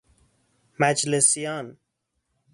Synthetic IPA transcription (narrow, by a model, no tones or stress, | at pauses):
mæd͡ʒlesjɑn